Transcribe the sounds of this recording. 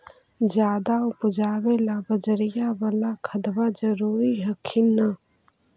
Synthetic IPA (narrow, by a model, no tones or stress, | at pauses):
d͡ʒjaːd̪aʊpd͡ʒaːwelabəd͡ʒəɾɪjabəlakʰəd̪bad͡ʒəɾuːɾiɦəkʰina